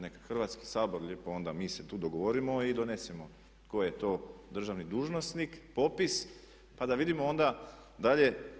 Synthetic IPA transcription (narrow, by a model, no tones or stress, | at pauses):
nekḁxr̩ʋat̪ski̥saːbo̞ɾʎepoo̞nd̪amiːset̪uːd̪oɡoʋoɾimo̞id̪o̞ne̞semo̞ | t̪kojet̪o̞ːd̪r̩ʒaʋnid̪uːʒno̞snikpo̞pis | pad̪aʋid̪imoond̪a | d̪aʎe̞